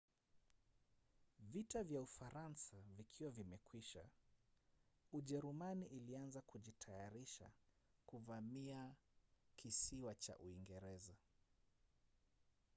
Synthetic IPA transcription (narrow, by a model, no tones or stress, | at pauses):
vitavjaufaɾansavikʰiwavimɛkwiʃa̰ | uʄɛɾumaniʔːlianzakuʄitʰajaɾiʃa̰ | kuvamia | kʰisiwat͡ʃa̰ʔṵiŋɡɛɾɛza